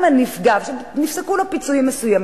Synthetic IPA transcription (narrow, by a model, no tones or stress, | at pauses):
manifɡavʃenifsekulopit͡suimːesujam